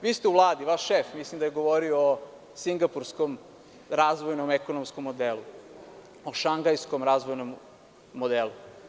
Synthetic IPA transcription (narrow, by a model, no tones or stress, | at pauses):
ʋiːst̪euʋlˠaːd̪iʋaːʃʃefmislimd̪ajeɡoʋoɾioo | siŋɡapuɾskom | ɾaːzʋojnomekonomskomːod̪elˠu | oʃaŋɡajskomɾaːzʋojnomː | od̪elu